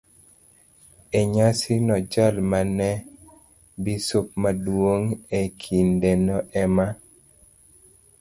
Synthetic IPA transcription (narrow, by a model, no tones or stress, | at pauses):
eɲasinɔd͡ʒalmanɛ | bisop̚madwoŋekʰindenɔʔɛma